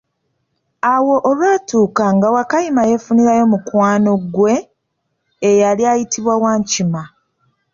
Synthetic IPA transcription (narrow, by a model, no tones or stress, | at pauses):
awo̞ʔːlwaːtuːkaŋɡawakajimaje̞funiɾajo̞mukwaːno̞ɡwe̞ː | jaljajitiβwawaːɲcima